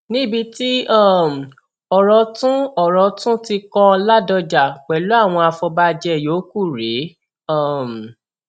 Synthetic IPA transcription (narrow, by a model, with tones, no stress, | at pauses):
nĩ˦bi˧ti˦a˦˨m˨ | ɔ˨ɾɔ˧tũ˦ɔ˨ɾɔ˧tũ˦ti˧kɔ̃˦˧la˦dɔ˧d͡ʒa˨k͡pɛ˨lo˨˦a˦˨w̃ɔ̃˧a˧fɔ˧ba˧d͡ʒɛ˧˨joː˨˦ku˦˨ɾe˨˦ | ɔ˦˨m˨